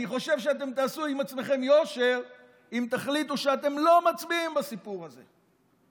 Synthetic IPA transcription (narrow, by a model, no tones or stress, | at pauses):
aniχo̞ʃe̞vʃeat̪e̞mt̪aːsuimat͡sme̞χe̞mjo̞ʃe̞ʁ | imt̪aχlit̪uʃeat̪e̞mlo̞mat͡sbiimbasipuʁaze̞̰